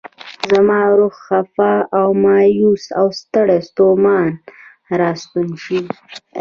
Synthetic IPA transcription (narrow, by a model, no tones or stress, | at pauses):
zamɑɾoxxafaawmɑːjusawst̪əɽest̪omɑn | ɾɑst̪unʃi